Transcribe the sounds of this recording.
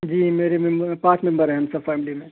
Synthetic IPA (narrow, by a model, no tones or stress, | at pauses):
d͡ʒiːmeːɾemembəpãːt͡ʃmẽmbəɾɦɛ̃ɦɐmsɐbfɛːmlimẽ